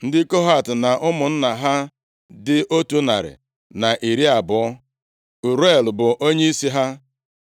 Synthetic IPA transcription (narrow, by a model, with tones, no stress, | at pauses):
n̩˦dɪ˦ko˦ɦa˦˨tna˨ʔʊ˦mʊ˨n̩˦na˨ɦa˦ | dɪ˦ʔo˦tu˦na̰˨ɾɪ̰˨ | na˨ʔi˨ɾi˦a˨bʊ˨˦ɔ˦ | u˨ɾe˦˨lbʊ˨ʔo˦ɲe˦i˦si˦ɦa˦